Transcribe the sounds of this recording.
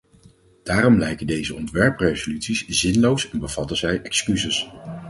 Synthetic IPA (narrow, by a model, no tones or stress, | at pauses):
d̥aːɾɔmlɛjkəndejzəɔntʋɛɹprejzolytsiszɪnlowsɛnbəv̥ɑtəzɛjɛkskyzəs